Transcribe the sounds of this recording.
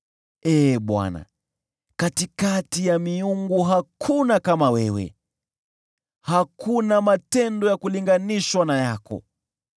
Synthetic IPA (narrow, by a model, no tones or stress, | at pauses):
ɛːɓwa̰na̰ | katikatijamiuŋɡuɦakʰunakamawɛwɛ̰ | hakʰunamatɛndɔjakuliŋɡaniʃwanajakɔ̰